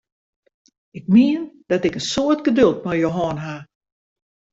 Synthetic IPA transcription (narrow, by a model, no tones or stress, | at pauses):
ɪk̚miənd̥ɔtɪkənsoətɡədølˠt̚mɛjjoɦɔːnɦa